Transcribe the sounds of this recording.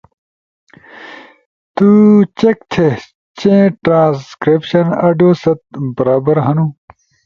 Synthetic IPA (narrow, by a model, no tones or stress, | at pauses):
t̪ut͡ɕek̚t̪ʰe | t͡ɕẽːʈɾãːskɾepɕɐnɐɖoːsɐt̪̚bɐɾaːbɐɾɦɐnũː